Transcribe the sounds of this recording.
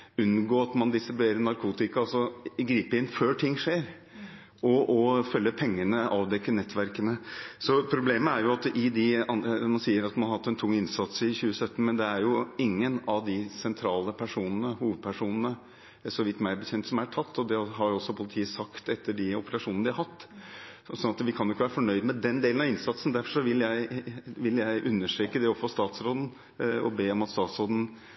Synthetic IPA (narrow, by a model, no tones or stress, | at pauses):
ʉnɡoːɑt̪mɑnd̪ɪst̪ɾɪbʉeːɾənɑɾkʰuːt̪ɪkɑɑlsɔɪɡɾiːpəɪɪnføːʈʰɪŋːʂeːɾ | ɔʔɔfœlːəpʰɛŋːənəʔɑːʋd̪ɛkːənɛt̪ʰːʋæɾkənəsɔpʰɾʊbleːməæɾjʊɑt̪ʔɪd̪ɪɑnmɑnsiːəɾɑt̪mɑnɑhɑt̪ːɛnt̪ʰʊŋːɪnsɑt̪sɪçʉːəsœt̪ːn̩mɛnd̪ɛæɾjʊɪŋːənɑʋd̪ɪsɛnt̪ʰɾɑːləpʰæʂuːnənəhuːʋəd̪̚pʰæʂuːnənə | sɔʋɪt̪ːmæɪbəçɛnt̪sɔmæʈʰɑt̪ːɔd̪ɛɦɑɾɔsːɔpʰʊlɪt̪ʰiːəsɑkt̪ɛt̪ːəɖɪɔpəlɑʂuːnnəd̪ʋɪhɑɾhɑt̪ː | sɔnɑt̪ʋɪkʰɑnjʊɪkːəʋæːɾəfɔɳœʏd̪mɛd̪ɛnd̪eːlnɑɪnsɑt̪sən̩d̪æɾfɔʂɔʋɪljæɪʋɪljæɪʔʉnːəʂʈɾeːkəd̪ɛɔfoːst̪ɑːt̪sɾoːd̪n̩ | ɔ̰beːɔmɑt̪st̪ɑːt̪sɾoːd̪ən̩